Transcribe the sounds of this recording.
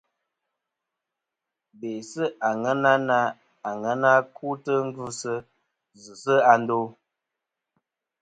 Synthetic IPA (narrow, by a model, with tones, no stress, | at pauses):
be˨sə˦ʔa˨ŋə˦na˦na˦ | a˨ŋə˦na˦ku˦tə˦ŋ̩˦ɡʉ˦sə˦ | zɨ˨sə˦a˨˦n˦do˦